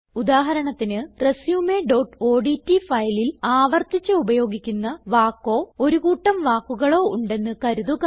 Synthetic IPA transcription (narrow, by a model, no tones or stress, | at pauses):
ud̪aːɦɐɾɐɳɐt̪ːinɨre̞sjuːmeɖo̞ʈo̞ːɖitːifɐjlilaːʋɐrt̪it͡ɕːɨubɐjo̞ːɡikʲːunːɐʋaːkːo̞ːo̞ɾuɣuːʈːɐmʋaːkːuɣɐɭo̞ːuɳɖe̞nːɨkɐɾuðuɣɐ